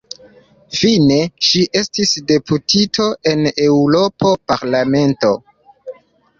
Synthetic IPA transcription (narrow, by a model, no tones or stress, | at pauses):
fine̞ʃiʔe̞stisde̞putʰitʰo̞ʔe̞ne̞wuɾo̞po̞paɾlame̞nto̞